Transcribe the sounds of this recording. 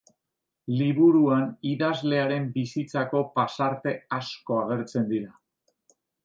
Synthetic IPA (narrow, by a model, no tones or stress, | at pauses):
liβ̞uɾuaniðazle̞aɾe̞mbisit͡sako̞pasaɾt̪e̞asko̞aɣ̞e̞ɾt͡se̞nd̪iɾa